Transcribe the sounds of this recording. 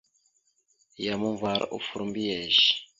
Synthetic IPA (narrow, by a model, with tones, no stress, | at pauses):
ja˨mu˦ɱva˨ɾ̰ʔṵ˨fu˨ɾumbi˦ɛ˨ʒi̥